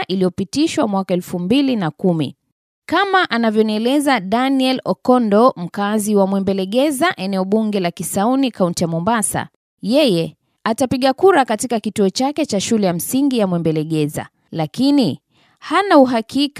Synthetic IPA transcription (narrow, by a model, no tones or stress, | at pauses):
ʔilijɔpitiʃwamwakaɛlfumbilinakumḭ | kamaʔanavjɔniɛlɛzaɗaniɛlɔkɔndɔm̩kaziwamwɛmbɛlɛɠɛzaʔɛnɛɔɓuŋɡɛlakisaunikauntijamɔmbasa̰ | jɛjɛ | atapiɠakuɾakatikakituɔt͡ʃakɛt͡ʃaʃulɛjam̩siŋɡijamwɛmbɛlɛɠɛza̰ | lakini | hanauɦakʰik